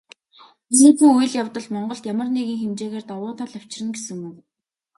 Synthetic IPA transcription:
sɘːpuːuj̆ɮjawt̪ə̆ɮmɔɴɢɞ̆ɬt̪jamə̆rneɣiːŋxemt͡ɕeːɣeːrt̪ɔwʊːt̪ʰaɮaw̥t͡ɕɪ̆rɘ̆ŋɡesɘ̆ŋuw

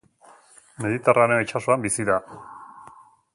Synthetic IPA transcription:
me̞ðit̪eraɾenet͡ʃasoambisiða

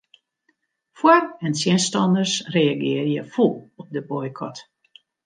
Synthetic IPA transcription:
fwarɛnsjɛnstɔndərsreːaɡɪərjəfulˠɔp̚dəbɔjkʰɔt

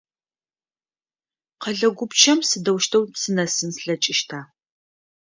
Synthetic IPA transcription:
qɐɮɐɡʷʊpt͡ʃʰɐmsɨdɐwʃtʰɐwsɨnɐsɨnsɬɐt͡ʃʼɪʃtʰaː

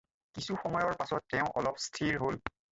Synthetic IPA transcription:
kisuxɔmɔjɔɹpasɔtːɛʊ̃ʔɔ̰lɔpstʰiɹɦol

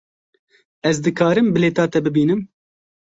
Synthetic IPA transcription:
ɛzd̪ɨkɑːɾɨmbɨleːt̪ɑːt̪ɛbɨbiːnɨm

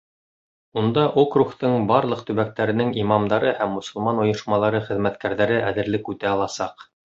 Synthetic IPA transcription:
und̪ɑʔokruχt̪ɤɴbɑɾlˠɤq̚t̪ɵ̆βæk̚t̪æɾɘ̆nɘŋimɑmd̪ɑɾɤhæmːŏsɤ̆lˠmɑnŏjŏʃmɑlˠɑɾɤχɘ̆ðmæt̪kæɾðæɾɘʔæðɘ̆ɾlɘkʉt̪æɑlˠɑsɑq

